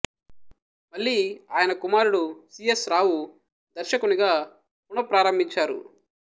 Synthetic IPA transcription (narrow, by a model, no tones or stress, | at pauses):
mɐɭːiːaːjɐnɐkumaːɾuɽusiesɾaːwu | d̪ɐɾʃɐkuniɡaː | puɳɐpɾaːɾɐmbʱiɲt͡ʃaːɾṵ